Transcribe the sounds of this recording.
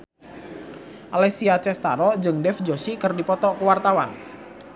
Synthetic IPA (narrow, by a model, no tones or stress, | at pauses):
ʔalɛsiat͡ʃɛst̪aɾɔd͡ʒɨŋdɛfd͡ʒosikərdipɔt̪ɔkəwart̪awan